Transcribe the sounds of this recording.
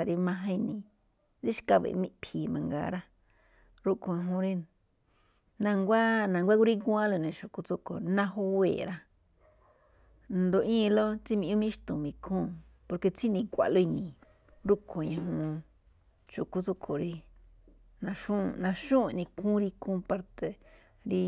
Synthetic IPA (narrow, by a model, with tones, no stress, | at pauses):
a˧ɾi˧mã˧ɦã˧i˧nĩ˨ | ɾi˦ʃi̥˧ka˧βḛ˨˧mĩ˦˧pʰi˨mã˧ŋɡa̰˧ɾa˦ | ɾu˦kʰo˧ɲã˧ɦũ˧ɾi˧ | nã˧ŋɡʷa˦nã˨ŋɡʷa˦ku˦ɾi˦ku˦ã˦lo˧nĩ˨ʃo˨ku˧t͡so˧kʰo̰˨˧nã˧ɦo˦wḛː˨ɾa˧ | nd̪o˧ʔĩː˦˧lo˦t͡si˦˧mĩ˧ũ˦mĩ˦ʃt̪ũ˨mĩ˧kʰũː˦˨ | po˧ɾke˧t͡si˦nĩ˧˨kʷa̰˨ʔlo˧i˧nĩ˨ | ɾu˦kʰo˨ɲã˧ɦũ˧ | t͡ʃo˨ku˧t͡so˧kʰo˨ɾi˧ | nã˧ʃũ˦˧nã˧ʃũ˦˧˨nĩ˧kʰũ˦ɾi˧kʰũː˦˧pa˧ɾt̪e˧ | ɾi˧